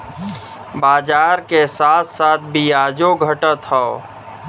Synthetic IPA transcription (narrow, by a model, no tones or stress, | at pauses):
baːd͡ʒaːɾkesaːt̪ʰsaːt̪̚ʰbʱiaːd͡ʒoɡʱəʈət̪ɦɔo